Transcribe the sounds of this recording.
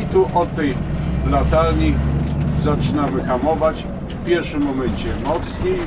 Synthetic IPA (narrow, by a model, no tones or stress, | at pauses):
t̪uʔɔt̪ːɛjblat̪aɾɲizat͡ʂɘnavɘxamɔvat͡ɕ | fpʲjɛɾfʂɘmːɔmɛɲt͡ɕɛmɔt̪sɲe